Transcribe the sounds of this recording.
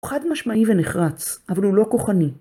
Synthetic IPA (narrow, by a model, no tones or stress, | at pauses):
χad̪maʃmaiveneχʁat͡sʔavalulo̞ko̞χani